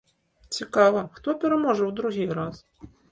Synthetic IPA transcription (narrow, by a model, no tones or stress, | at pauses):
t͡sʲikaʋɐxt̪ɔpʲɛɾɐmɔʐɛwd̪ɾuɣʲijɾas